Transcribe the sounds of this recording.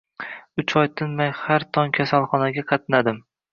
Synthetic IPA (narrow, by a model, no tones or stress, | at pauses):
ʊt͡ʃʰɒjt̪ʰɪnmajhaɾt̪ʰɒŋkʲʰasalˠχɒnaɡʲaqʰɑt̪̚nad̪ɪm